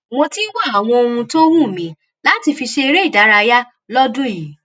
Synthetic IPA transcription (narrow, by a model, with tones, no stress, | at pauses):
mõ˧tĩ˦wa˦˨a˨w̃ɔ̃˧o˧hũ˧to˦wũ˦˨mĩ˨˦ | la˦ti˧fi˧ʃe˧i˧ɾe˦i˦˨da˨˦ɾa˧ja˦ | lɔ˦dũ˦˨i˨˦